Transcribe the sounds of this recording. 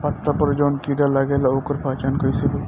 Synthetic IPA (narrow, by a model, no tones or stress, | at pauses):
pɐt̪ːapɐɾd͡ʒoːnkiːɖalɐɡeːlaoːkəɾpʰaːt͡ʃaːnkəisebə